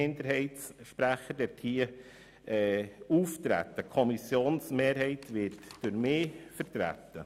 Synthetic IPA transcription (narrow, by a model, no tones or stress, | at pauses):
ɪndəɾɦɛɪtsʃpɾæχəɾdɛthiːə | ɛːuːft̪ɾæ̰t̪ːəkʰɔmisjoːnsmeːɾhɛɪtʋɪtd̥ʊɾmɪːfəɾt̪ɾæ̰t̪ːə